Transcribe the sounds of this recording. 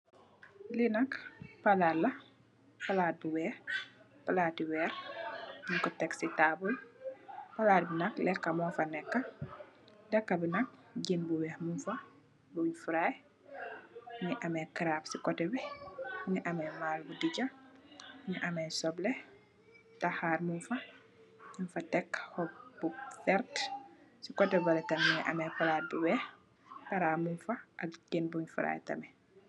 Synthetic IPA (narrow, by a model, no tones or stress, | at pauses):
linɐkpɐlalɐ | pɐlaːt̚buwɛː | pɐlaːtiwɛːɾ | mukɔtɛksitaːbul | pɐlaːt̚bunɐklɛkːɐmɔːfɐnɛkːɐ | dɐkːɐbinɐk̚ɟinbuwɛhmunfɐ | bufɾaj | niʔɐmɛkiɾapsikɔtɛbɛniʔɐmɛmalbudiɟɐ | niʔɐmɛsɔblɛ | taxaːrmunfɐ | ɲinfɐtɛkːhɔpbufɛɾtsikɔtɛbɐlɛtɐmiɲiʔɐ̰mɛpɐlat̚buwɛːh | pɐɾaːmunfɐʔɐk̚ɟenbuɲfuɾa̰ːjtɐ̰mɛ